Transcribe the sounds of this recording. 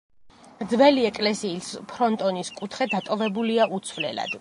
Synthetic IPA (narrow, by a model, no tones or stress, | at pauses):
ɾd̪zvɛliɛkʼlɛsiːspʰɾɔnt̪ʼɔniskʼut̪ʰχɛd̪at̪ʼɔvɛbuliaʔut̪sʰvlɛ̰la̰d̪̥